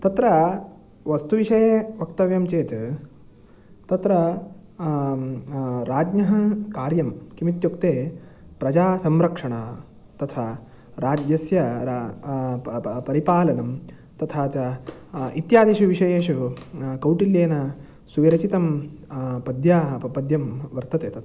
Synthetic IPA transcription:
t̪ɐt̪ɾɐ | ʋɐst̪uʋiʂɐjeʋɐk̚t̪ɐʋjɐmt͡ʃeːt̪ | t̪ɐt̪ɾɐ | ɾaːd͡ʒɲɐɦɐkaːɾjɐmkimit̪jukt̪eːpɾɐd͡ʒaːsɐmɾɐkʂɐɳaː | t̪ɐt̪ʰa | ɾaːd͡ʒjɐsjɐɾa | pɐɾipaːlɐnɐm | t̪ɐt̪ʰaːt͡ʃɐ | it̪jaːd̪iʃuʋiʂɐjeːʃukɐwʈiljeːnɐ | suʋiɾɐt͡ʃit̪ɐm | pɐd̪ʱjaːɦpɐd̪ʱjɐmʋɐɾt̪ɐt̪eːt̪ɐt̪ʰ

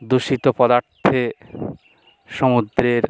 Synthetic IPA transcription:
d̪uʃit̪opɔd̪aɾt̪ʰe | ʃɔmud̪ɾeɾ

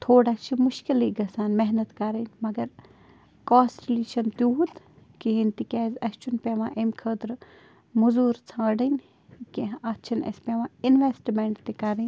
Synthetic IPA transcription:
t̪ʰoːɽat͡ʃʰimʊʃkiliɡɐsaːnmeɦnɐt̪kɐɾɐnʲmɐɡɐɾ | kaːsʈliːʃɐnt̪juɦut̪ | kiɦinʲt̪ikʲɛːzɐsʲt͡ʃʰunpʲeːʋãːʔemkʰəːt̪ɾ | muzuːɾt͡sʰãːɖɐnʲ | kiɦɐt͡ʃʰɐnɐ̰speʋãːinʋesʈmeɳʈt̪ikɐɾin

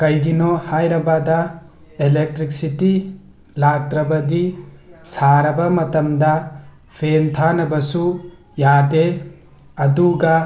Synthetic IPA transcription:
kɐjɡinɔhajɾɐbadɐ | elek̚tɾik̚siti | lak̚tɾɐbɐdisaɾɐbɐmɐtɐmdɐ | pʰentʰanɐbɐsu | jade | ɐduɡɐ

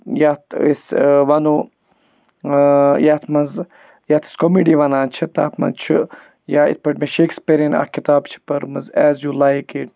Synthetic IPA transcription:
jat̪isʋɐnuː | jat̪ʰmɐnz | jat̪ʰi̥skomiɖiʋɐnaːnt͡ʃʰit̪a̰pmɐ̰nt͡ʃʰɨ | jaːḭt̪̚pɐʈmẽʃeːkspeɾina̰ːkit̪aːbt͡ʃʰi̥pɐɾmɨzɛːzjuːlajkiʈ

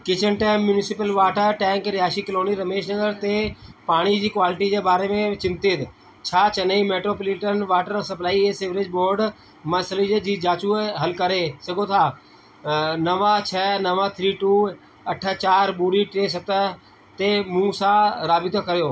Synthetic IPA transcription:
kɪt͡ʃənʈɛːmːjʊnɪsɪpəlʋaːʈəʈɛ̃ːŋkɾɪɦaːʃikɪloːniɾɐmeːʃnəɡəɾt̪epaːɽ̃id͡ʑiːkʋaːlɪʈid͡ʒebaːɾemẽt͡ʃɪ̃nt̪ɪt̪ | t͡ʃʰaːt͡ʃɐnəimeːʈɾoːplɪʈənʋaːʈəɾsɐplaːieseːʋɾɪd͡ʒboːɾɖ | mɐsəlid͡ʒed͡ʒiːd͡ʒaːt͡ʃuɦɐlkəɾesɐɡot̪ʰaː | nɐʋat͡ʃʰɛːnəʋat̪ʰɾiːʈuː | ɐʈʰət͡ʃaːɾbuːɽiʈɾeːs̬ɐt̪ə | t̪emũsaɾaːbɪt̪okɐɾjoː

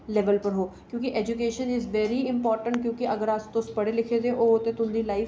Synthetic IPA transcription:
lɛːʋəlpəɾɦoːkjõːkɪʔɛːd͡ʒukeːʃənɪzʋɛːɾiːɪmpɔːɾʈəɳʈ̚kjõːkɪʔəɡəɾast̪ʊspəɽeːlɪkʰeːd̪eːʔoːt̪ẽːt̪ʊnd̪iːlaːif

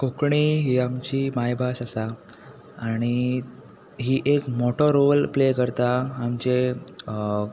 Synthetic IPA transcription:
kokɳiɦiamt͡ɕiːmajbʱasasaː | ɽ̃i | ɦiːʔekmoʈʰɔɾolplekəɾt̪aːmt͡ɕe

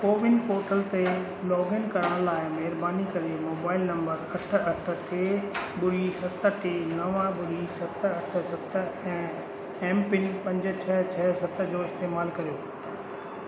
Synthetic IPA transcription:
poːʋɪnpoːɾʈəlt̪e | lɔːɡɪnkɐɾəɽ̃laːɪmɐɦɾbaːnikɐɾemoːbaːɪlnɐ̃mbəɾɐʈ̆ʰɐʈ̆ʰʈʰeːɓʊɾisɐt̪ə̆ʈeːnɐʋãɓʊɾisɐt̪ɐʈʰə̆sɐt̪̆ʰɛ̃ː | ɛ̃ːmpɪnpɐ̃ɲd͡ʑʊ̆t͡ɕʰɐt͡ɕʰɐsɐt̪ə̆d͡ʑoːɪst̪eːmaːlkɐɾijoː

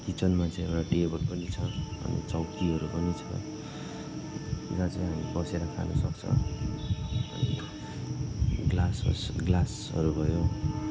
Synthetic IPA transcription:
kit͡sʌnmat͡sʌ̃ĩewɽaʈiebʌʈpʌnit͡sʰʌʌ̰nḭt͡sʌwkiɦʌɾupʌnit͡sʰʌ̰ | iɡad͡zaɦamibʌseɾakʰa̰nʌsʌk̚t͡sʰʌ̰ | ʌ̰nḭ | ɡlasʌ̰sɡlas | ʌ̰ɾubʱʌjo

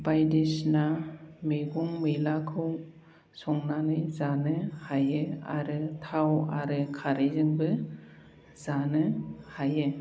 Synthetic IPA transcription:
bajdisnameɡuŋmɯjlakʰɯw | sɔŋnanɯjzanɯhajɯa̰ɾɯtʰawa̰ɾɯkʰaɾezɯŋbɯ | zanɯhajɯ

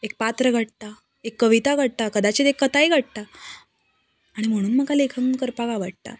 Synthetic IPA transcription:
ek̚pat̪ɾəɡʱəʈ̚t̪a | ekːəʋit̪aɡʱəɽ̚t̪akəd̪at͡ɕet̪ekːət̪aiɡʱəʈ̚t̪a | aɽ̃im̤əɽ̃uːnm̤əɡalekʰənkəɾpaɡaʋaʈ̚t̪a̰

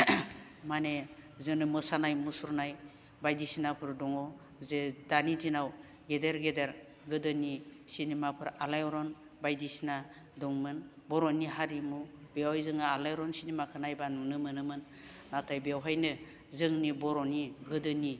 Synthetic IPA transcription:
manezɯnɯmɯsanajmusuɾnaj | bajdisinapʰɯɾdɔŋɔ | zedanidinaw | ɡedeɾɡedeɾ | ɡɯdɯnisinimapʰɯɾalajɔɾɔn | bajdisina | dɔŋmɯnbɔɾɔniɦaɾimubewajzɯŋaːlajɔɾɔnsinimakʰɯnajbanunɯmɯnɯmɯnː | atʰajbeawɦajnɯ | zɯŋnibɔɾɔniɡɯdɯni

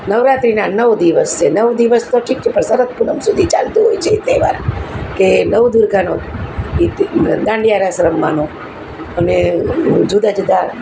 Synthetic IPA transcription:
nəʋɾat̪ɾinanəʋd̪iʋəst͡ʃʰenəʋd̪iʋəst̪oʈʰik̚t͡ʃʰepəɾsəɾət̪̚punəmsud̪ʱit͡ʃalt̪uɦojt͡ʃʰet̪eʋa̰ɾkenəʋd̪uɾɡʱanoid̪ãɳɖijaɾasɾəmːa̰no | əned͡ʒud̪ad͡ʒud̪ʱa

